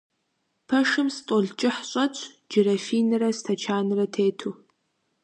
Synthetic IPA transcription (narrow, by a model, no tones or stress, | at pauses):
pʰɐʂɨmstʼoɮt͡ʃʼɪħɕʼɐt͡ʃʷʼʰ | d͡ʒɪɾɐfiːnɨrɐstʰɐt͡ʃʰaːnɨrɐtʰeːtʰuː